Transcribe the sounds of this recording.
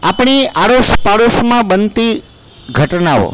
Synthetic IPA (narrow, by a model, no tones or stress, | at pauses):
apɳiaɽoʃpaɽosmãbənt̪i | ɡʱəʈnao̰